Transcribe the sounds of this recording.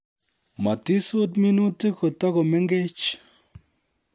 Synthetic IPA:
ma˨ti˦su˦t̪mi˦nu˦ti˦ko˨t̪a˦ko˨me˦ŋɡe˦t͡ʃ

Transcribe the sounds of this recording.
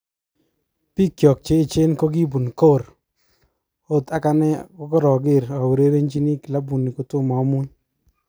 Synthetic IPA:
pi˦kjɔ˨k̚t͡ʃe˦ɪ˨t͡ʃe˦nko˦ɡi˦bu˨nko˦˨ɾ | o˦ta˦ka˦nɛ˦kɔ˦kɔ˦ɾɔ˨ɡɪ˦˨ɾa˨u˨ɾe˦ɾe˦nt͡ʃi˦ni˦kɪ˨la˦bu˨ni˨ko˨tʊ˦ma˨˦mʊ˦ɲ

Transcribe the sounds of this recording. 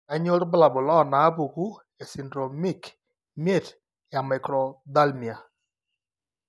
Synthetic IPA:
a˦ɲo˦ɾbla˨bʊ˨lɔ˦˨na˨˦bu˨ku˦ | e˨si˨ndɾo˨mi˦k | me˦˨t | ja˨ma˨kɾɔ˨d̪a˦lmi˨a˨

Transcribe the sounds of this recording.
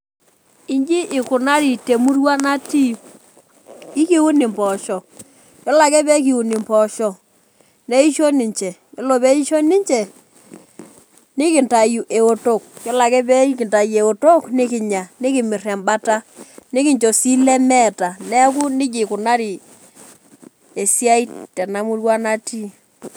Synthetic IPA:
ɪ˦ɲd͡ʒi˦ʔɪ˨kʊ˨na˦ɾi˨te˨mu˦rwa˦na˦ti˦ | ɪ˦ki˦wu˦nɪ˨mpɔ˨ʃɔ˨ | jɔ˦la˨kɛ˦bɛ˦k̬i˨u˨nɪ˨mpɔ˨ʃɔ˨ | nɛ˦i˦ʃo˦nɪ˨ɲt͡ʃɛ˨jɔ˨lɔ˨bɛ˦i˦ʃo˦nɪ˦ɲt͡ʃɛ˨ | nɪ˦kɪ˨nta˨ju˨ʔe˨o˨to˦˨k̚jɔ˦la˨kɛ˦bɛ˦ki˨nta˨je˨o˨to˦knɪ˦kɪ˨ɲa˨nɪ˦kɪ˨mɪ˨ra˨mba˦ta˦nɪ˦kɪ˨ɲt͡ʃo˨si˦lɛ˦mɛ˦˨ta˨nɛ˦k̬u˦nɪ˦d͡ʒɪ˨kʊ˨na˦ɾi˨ | e˨si˦a˦i˦tɛ˨na˨˦mu˦rwa˦na˦ti˦

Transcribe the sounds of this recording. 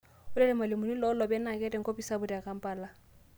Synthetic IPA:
ʊ˦lɛ˦lɪ˨ma˨lɪ˨mʊ˨ni˦lɔ˨ʊ˦lɔ˨bɛ˦na˨kʼɛ˦tʼɛ˦ŋ̩˦kʼo˦bi˦sa˦bʊ˦di˨a˨kʼa˨m̩˦pʼaː˨la˦˨

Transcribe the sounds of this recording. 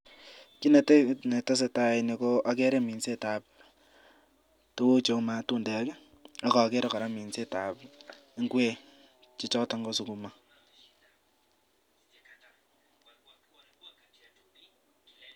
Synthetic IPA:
ki˦ne˨tne˨to˦s̬e˨ta˦ini˨ko˦ʔa˦kɛ˦ɾe˦mi˨nse˦ta˨p̚ | to˦wo˦t͡ʃo˨ma˨tu˦ndɛ˨˦ke˦ | a˦kɔ˨ke˦ɾa˨ka˨ɾa˦mi˨nse˦ta˨pi˦ŋɡwe˦ | t͡ʃi˦t͡ʃɔ˦ta˦ŋɡo˦su˨ku˨ma˦

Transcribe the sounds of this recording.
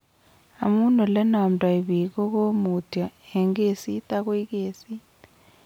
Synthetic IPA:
a̰˨mu˦nɔ˨lɛ˦na˨mdʼa˨i˨βi˨kɔ˦ko˦mu˨ta˨ɛ˨ŋɡe˨sit̪a˦k̬wi˦keː˨si˦

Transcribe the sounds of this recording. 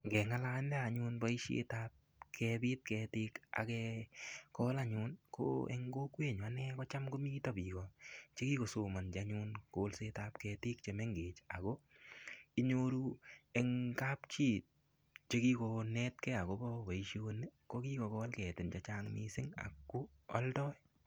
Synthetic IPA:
ŋɡɛ˨ŋala˦ndɛ˦a˨ɲʊ˦nba˦i˦ʃḛtap̚ | kʰɛ˧bi˦t̚kɛtɪ˦ka̰˨kɛ | kɔ˦la˦ɲʊnko̰ɛ̰˦ŋɡo˦kwe˦˨ɲ˨a˨˦nɛ˦kɔ˦t͡ʃa˦mko˦mi˦ta˦˨bi˨kɔt͡ʃe˦ki˦ko˨so˨ma˨nt͡ʃa˦ɲʊ˧nkolse˦tapkɛ˧tɪ˦k̚t͡ʃe˧me˦ŋɡeː˨t͡ʃa˨ko˦ | i˦ɲoɾu˦ɛŋka˦pt͡ʃi˦t̚ | t͡ʃe˦ki˦ko˧nɛtkɛ˦a˨ko˦bɔ˦ba˨iʃo˧ne˦ko˦ki˦kɔ˨kɔ˦lkɛ˨tɪ˨nt͡ʃat͡ʃaŋmḭsɪ˦ŋa̰˨kːo˦ɔ̰˦ldɔ˦j

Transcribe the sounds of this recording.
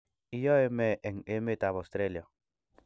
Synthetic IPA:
i˦jɔ˦e˦mɛ˦ʔe˨ŋe˦me˦t̪a˨βo˨st̪ɾe˦ljɔ˨

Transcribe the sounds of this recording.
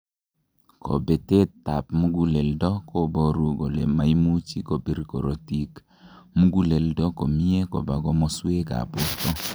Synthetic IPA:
kʰo̰˨be˨te˦tːa˨pmu˦ɡu˦le˨ldɔ˦ko˦bɔ˦ɾu˦ɡo˨lḛ˨ma˨i˦mu˦t͡ʃi˦ko˨bi˦ɾkɔ̰˨ɾo˨ti˦k | mu˦ɡu˦le˨ldɔ˦ko˨mi˦e˦kɔ̰˨ba˨ɡɔ˦mɔ˦swe˦ka̰˨po˦tɔ˦

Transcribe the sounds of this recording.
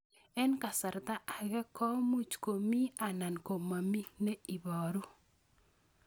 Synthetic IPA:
ɛ˦nka˨sa˨ɾt̪a˦ʔa˨ɡɛ˦kʰɔ˦mu˦t͡ʃko˨mi˦a˨na˨nko˨ma˨mi˦nɛ˦i˨bɔ˨ɾu˦

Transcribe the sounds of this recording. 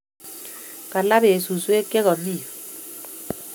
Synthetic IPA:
ka˨la˦be˨su˨swe˦kɛ˦ɣɔ˨ni˦˨

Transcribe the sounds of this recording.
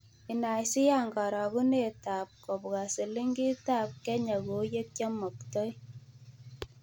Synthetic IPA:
i˨na˨jsi˦ja˦˨ŋɡa˨ɾa˨ɡu˦ne˨ta˨p̚kɔ˨bɡa˨se˨li˦ŋɡi˦ta˦˨p̚kɛ˦ɲa˨ɡo˨˦je˦k̚ka˦mɔ˨k̚tɔ˦j

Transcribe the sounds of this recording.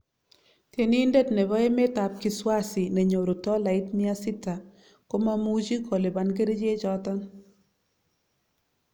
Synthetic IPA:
tje˨ni˦nde˦tne˨βɔ˦e˦me˦ta˨p̚kɪ˨˦swa˦si˨ne˨ɲo˨ɾo˨tɔ˦la˨ɪ˦tmɪ˦a˦sɪ˦ta˨ | ko˦ma˦mu˦d͡ʒi˦kʰɔ˨le˨ba˨nk̬e˦ɾe˦d͡ʒe˦t͡ʃɔ˦tɔ˦n

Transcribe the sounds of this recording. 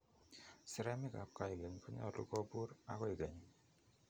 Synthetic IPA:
sɪ˨ɾɛ˦mɪ˦ka̰˨p̚ka˨i˨ɡe˨ɲ˨kɔ˦ɲɔ̰˦˨lṵ˦ɡɔ˦bu˦ɾa̰˨˦kɔ˦i˨ɡe˨ɲ˨

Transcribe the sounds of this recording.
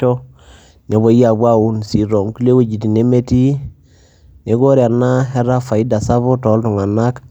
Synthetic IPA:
ɔ˦ | ne˨βo˨ja˨bwa˦u˦nsi˨ɾɔ˨ŋku˦le˦we˦d͡ʒi˨ti˨ne˦me˦ti˦ | ne˨˦ɡo˦ɾja˨na˦ɦɛ˦ɾa˦fa˨i˦da˨sa˦βo˦tɔ˨˦ltʊ˨ŋa˨na˦k

